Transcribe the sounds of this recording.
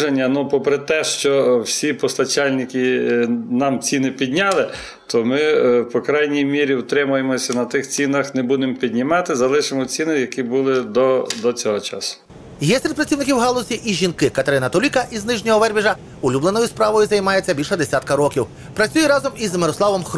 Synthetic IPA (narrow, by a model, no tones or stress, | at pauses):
ʒenʲːɐnupɔpɾɪt̪ɛʃt͡ʃɔwsʲipɔst̪ɐt͡ʃɑlʲnʲɪkʲi | nɑmt͡sʲinɪpʲid̪ʲnʲɑlˠɪ | t̪ɔmɪpɔkɾɑjnʲijmʲiɾʲiwt̪ɾɪmʊjemɔsʲɐnɐt̪ɪxt͡sʲinɐxnebud̪empʲid̪ʲnʲɪmɑt̪ɪzɐlˠɪʃɪmɔt͡sʲinɪjɐkʲibʊlˠɪd̪ɔd̪ɔt͡sʲɔɦɔt͡ʃɑ̰sʊ̥ | jɛsʲɾʲɛd̪pɾɐt͡sʲiwnɪkʲiwɦɑlˠɔsʲiʔiʒʲinkɪkɐt̪eɾɪnɐt̪ɔlʲikɐʔiznɪʒnʲɔɦɔʋɛrbʲiʒɐ | ʊlʲublˠenɔjʊspɾɑʋɔjʊzɐjmɑjet͡sʲːɐbʲilʲʃɛd̪esʲat̪̚kɐɾɔkʲiw | pɾɐt͡sʲujɛɾɑzɔmizmeɾɔslˠɑʋɔmx